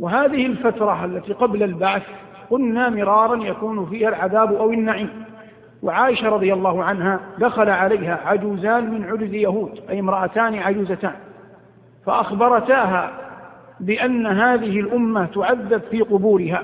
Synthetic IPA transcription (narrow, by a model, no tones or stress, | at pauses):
waɦaːðɪhɪlfat̪ɾˤɑʔalːat̪iːqɑblalbaʕθ | qʊlnaːmɪɾɑːɾˤɑnjakuːnfiːhalʕaðaːbʔawɪnːaʕiːm | waʕaːʔɪʃaɾˤɑðˤɪjalˤːɑːhʊʕanɦaːd̪axalaʕalajɦaːʕad͡ʒuːzaːnmɪnʕʊɾzjaɦuːd̪ʔajɪmɾˤɑʔat̪aːnɪʕad͡ʒuːzat̪aːn | fa̰ʔaxbɑɾˤɑt̪aːɦaː | bɪʔanːaɦaːðɪhɪlʔʊmːat̪ʊʕaðːabfiːqʊbuːɾɪɦaː